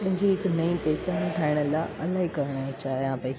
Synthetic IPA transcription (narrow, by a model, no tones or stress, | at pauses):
pɐ̃ɦɪ̃ɲd͡ʑiɦɪknɐĩpeːt͡ɕaːnʈʰaːɪɽ̃əlaːʔɐlaːɦikɐɾəɽ̃aːĩt͡ɕaːɦijãːpɐi